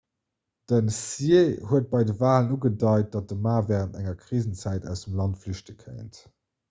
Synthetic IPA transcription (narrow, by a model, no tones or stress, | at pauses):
d̥ənsiehuət̚b̥ɑɪdəvaːlənuɡədɑɪt̚d̥ɑt̚dəmaːvɛːʁəntæ̰ŋɐkʁiːzənt͡sæɪtæ̰ʊsəmlɑntflyʃtəkʰə̰ɪənt